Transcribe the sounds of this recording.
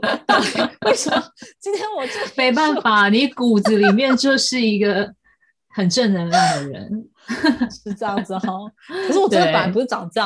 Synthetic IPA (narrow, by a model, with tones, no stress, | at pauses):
wwe˥˩ɪʂə˨˩m˨˩t͡ɕi˥nt̪ʰjɛ˥nwɔ˨˩t͡ɕo˥˨me˧˥ɪp̬a˥˩nfa˨˩ni˨˦ku˨˩d͡z̩˨˦li˨˩mjɛ˥˧nt͡ɕjo˥˧ʊʂɻ̩˥˩i˧˥ɡə˨ | xə˨˩nʈ͡ʂə˥˩nnə˧˥nə˧˩d̪ə˩ɻə̰˧˦n | ʂɻ̩˥˩ʈ͡ʂə˥˧jɑ˥˩ŋd͡z̩˩ɔ˨˩kʰʂɻ̩˥˩wɔ˨˩ʈ͡ʂd̪pa˨˦npu˧˥ʂ̩˥˩ʈ͡ʂɑ˨˩˦ŋʈ͡ʂɤ˥˧j